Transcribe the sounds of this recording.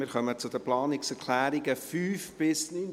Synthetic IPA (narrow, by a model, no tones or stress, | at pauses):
mɪːɾχœmət͡sʊd̪əplɑːnɪksɛɾkʰlæːɾɪɡəfyːfb̥ɪsnyn